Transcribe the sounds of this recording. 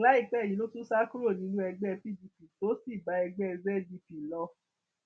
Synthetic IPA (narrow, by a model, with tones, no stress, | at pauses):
la˨˦i˦˨k͡pɛ˨˦˨jĩ˨˦lo˦tũ˦sa˦ku˦ɾo˦˨nĩ˨˦nũ˦ɛ˧ɡ͡bɛ˦˧pi˦˨di˧pi˨to˨˦si˦˨ba˨˦ɛ˧ɡ͡bɛ˦ɛ˧bɛ˦˨di˧pi˨lɔ˧